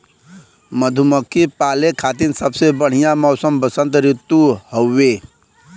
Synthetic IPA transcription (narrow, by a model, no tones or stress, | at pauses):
məd̪ʱuməkʰːipaːlekʰaːt̪̬insəbsebəɽ̤ijãmɔːʊsəmbəsə̃nt̪ɾɪt̪ːuhəwːeː